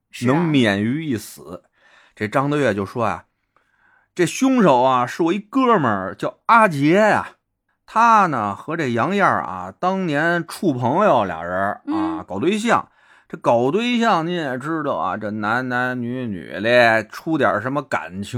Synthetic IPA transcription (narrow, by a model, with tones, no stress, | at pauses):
nɤ˧˥ŋmjɛ˨˩ny˧˥i˥˩sɹ̩˨˩˦ | ʈ͡ʂe˥˩ʈ͡ʂɑ˥ŋd̪ə˧ɥɛ˥˩t͡ɕjo˥˩ʊʂwɔ˥ja̰˨˩ | ʈ͡ʂe˥˩ɕjʊ˥ŋʂo˨˩ʊɐ˧ʂɻ̩˥˩wɔ˨˩i˥˧kɤ˥˩mə˞˨˩t͡ɕjɑ˥˩ʊa˥t͡ɕjɛ˧˥a̰˩ | t̪ʰa˥nə˨xɤ˧˥ʈ͡ʂe˥˩jɑ˧˥ŋjə̰˥˩a̰˩t̪ɑ˥ŋnjɛ˧˥nʈ͡ʂʰu˥˩pʰɤ˧˥ŋjo˨˩ʊljɑ̰˨˩ŋɻə˧˥a˧kɑ˨˩ʊt̪we˥ɪɕ̬jɑ˥˩ŋ | ʈ͡ʂe˥˩kɑ˨˩ʊt̪̬we˥ɪɕjɑ˥˩ŋni˧˥njɛ˨˩ʈ͡ʂɻ̩˥d̪ə˨˩a̰˨˩ʈ͡ʂɤ˥˩na˧˥nna˧˥nny˧˥ny̰˨˩lɛ˥˧˥ʈ͡ʂʰu˥t̪jɑ̰˞˨˩ʂə˧˥nmə˧ka̰˨˩nt͡ɕʰ